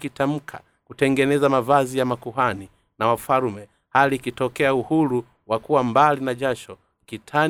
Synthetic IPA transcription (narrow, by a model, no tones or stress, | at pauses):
kitam̩kʰa | kutɛŋɡɛnɛzamavazijamakuɦani | nawafaɾmɛ | haliːkitɔkɛauhuɾu | wakuwambalinaʄaʃɔ | kitʰa